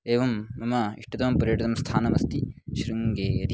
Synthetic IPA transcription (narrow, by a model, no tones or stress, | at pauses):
eːʋɐmɐmɐḭʂʈɐt̪ɐmɐmpɐɾjɐʈit̪ɐmst̪ʰaːnɐmɐst̪iʃɾuŋɡeːjɐd̪ʱi